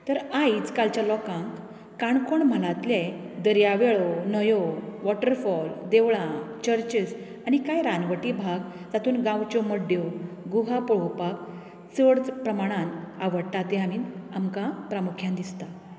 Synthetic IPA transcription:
t̪əɾait͡skalt͡ɕjalɔkãŋk | kaɳkoɳməlat̪le | d̪əɾjaʋeɭɔnəjɔoʋɔʈəɾfɔld̪eʋɭãt͡ɕəɾt͡ɕis | añikajɾanʋəʈibʱaɡ | d͡zat̪uːnɡãwt͡ɕɔməɖjo | ɡuɦapɔɭ̤owpak | t͡səɽt͡spɾəmaɽ̃ãnaʋəɽt̪at̪ẽamiːnamkãpɾamukʰjãnd̪ist̪a

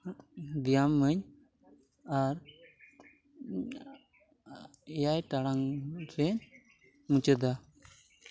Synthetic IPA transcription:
d̪ijamːəɲ | aɾ | ɛjajʈaɽaŋɾɛɲ | mut͡ʃəd̪a

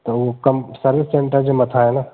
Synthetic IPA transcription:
t̪oʋokɐmsəɾʋɪsːẽɳʈəɾd͡ʒomɐt̪ʰaɦɛna

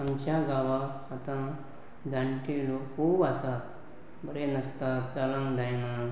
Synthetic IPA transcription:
ɐmt͡ʃaɡaːʋa | ɐt̪ã | d̪aɳʈilokʰuːbasa | bɐɾenɐst̪at͡ʃɐlãŋd̪ajna

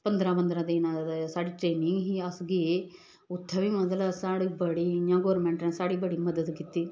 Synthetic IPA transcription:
pənd̪ɾãːbənd̪ɾãːd̪iːnãd̪saːɽiːʈɾeːnɪ̃ŋɡɦiɐsɡi | ʊt̪ʰːaʋimɐd̪əlsaːɽibəɽiːɲãːɡoːɾmẽːɳʈnẽsaːɽiːbəɽiːmɐd̪əd̪kɪt̪ːiː

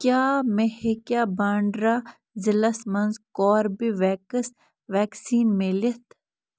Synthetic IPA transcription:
kjaːmehekjaːbaːɳɖɾa | zɪlɐsmɐnzkɔːɾbiʋɛːkəs | ʋɛːksiːnmelit̪ʰ

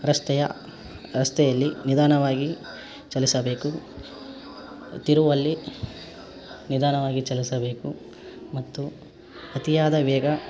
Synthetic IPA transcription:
ɾɐst̪ɛjɐ | ɾɐst̪ɛjɐlːinid̪aːnɐʋaːɡi | t͡ʃɐlisɐbe̞ːku | t̪iɾuʋɐlːi | nid̪aːnɐʋaːɡit͡ʃɐlisɐbe̞ːku | mɐt̪ːu | ɐt̪ijaːd̪ɐʋɛːɡɐ

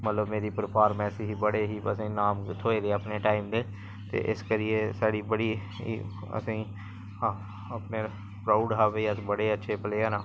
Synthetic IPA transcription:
mət̪ləbmeːɾiːpəɾpʰaːɾmɛ̃ːəsĩːɦiːbəɽeːɦiːəsĩːnaːmt̪ʰoːeːd̪eːaːpneːʈaːimd̪eː | t̪ḛːʔɪskəɾɪeːsaːɽiːbəɽḭː | ə̰sĩː | aː | əpneː | pɾaːʊɖɦaːʋeiəsbəɽeːətːʃʰeːpəleːaːnaː

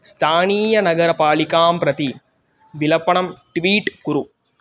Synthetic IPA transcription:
st̪ʰaːniːjɐnɐɣɐɾɐpaːɭɪkaːmpɾɐt̪i | ʋɪlɐpːɐɳɐmʈʋiːʈkʊɾu

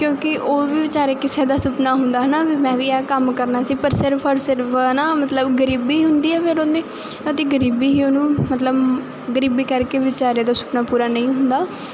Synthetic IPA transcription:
kjõːkɪʔoːʋiːʋɪt͡ʃaːɾeːkɪseːd̪aːsʊpnaːɦʊnd̪aːɦənaːʋiːmɛ̃ːʋiːɛːkəmkəɾnaːsiːpəɾsɪɾpʰɔːɾsɪɾpfʰənaːmət̪ləbɡəɾiːbiːɦʊnd̪iːɛːpʰɪɾõnd̪eː | ət̪eːɡəɾiːbiːɦiːoːnũːmət̪ləb | ɡəɾiːbiːkəɾkeːʋɪt͡ʃaːɾeːd̪aːsʊ̥pnaːpuːɾaːnəĩːɦʊ̃nd̪aː

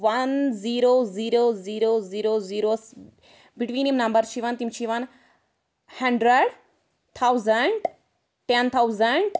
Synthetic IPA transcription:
ʋɐnziːɾoːziːɾoːziːɾoːziːɾoːziːɾoːs | biʈʋĩːnimnɐ̃mbəɾt͡ʃʰiʋɐnt̪imt͡ʃʰiʋɐn | hɐ̃ɳɖɾəɖ | t̪ʰawzəɳʈ | ʈent̪ʰawzəɳʈ

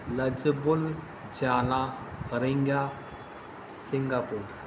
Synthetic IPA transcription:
lɐd͡ʒəbul | d͡ʒaːla | ɾiŋɡa | siŋɡapuɾ

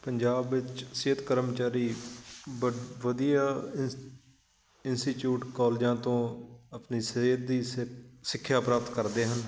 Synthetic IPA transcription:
pəɲd͡ʒaːbʋɪt͡ʃseːt̪kəɾəmt͡ʃaːɾiː | ʋəd̪ijaː | ɪnsʈiːʈjuːʈkɔːld͡ʒãːt̪õːəpniːseːt̪̚d̪iːsɪkʰːjaːpɾaːp̚t̪kəɾd̪eːɦən

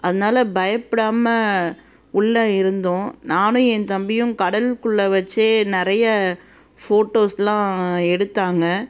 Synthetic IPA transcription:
ɐðɐnaːlɐbɐjɐpːɪɽaːmɐ | ʊɭːɐɪɾɯnd̪õːnaːnʊ̃ɛnt̪ɐmbɪjʊ̃kɐɽɐlkʊɭːɐʋɐt͡ʃːeːnɪɾɐjɐ | foːʈːoːslãːɛɽɯt̪ːaːŋɡɐ

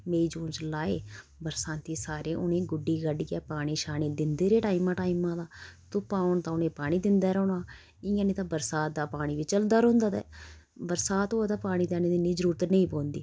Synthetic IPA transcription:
meːiːd͡ʒõːnt͡ʃlaːeːbəɾsãːnt̪iːsaːɾeːʔʊnẽːɡʊɖːiːɡəɖiːɛːpaːɽ̃iːʃaːniːd̪ɪnd̪eːɾeːʈaːɪmãːʈaːɪmãːd̪aːt̪ʊːpaːʊɳt̪ãːʊnẽːpaːɽ̃iːd̪ɪnd̪aːɾɛːnaː | ɪãːniːt̪ãːbəɾsaːt̪̚d̪aːpaːɽ̃iːʋiːt͡ʃəld̪aːɾɦʊ̃nd̪aːt̪ɛ̰ːbəɾsaːt̪oːd̪aːpaːɽ̃iːd̪ɛːneːd̪ɪniːd͡ʒəɾuːɾət̪nəĩːpõːnd̪iː

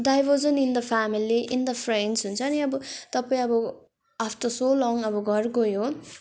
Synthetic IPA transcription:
ɖajbʌd͡zʌnind̪ʌpʰamiliʔind̪ʌpʰrensɦunt͡sʰʌːniʌbʌt̪ʌpaĩʌbʌ | apʰt̪ʌsolɔŋʌbʌɡʌrkojo

